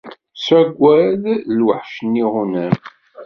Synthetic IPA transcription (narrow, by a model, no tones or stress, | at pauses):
sæɡʷːæðlwəħʃnːiʁunæn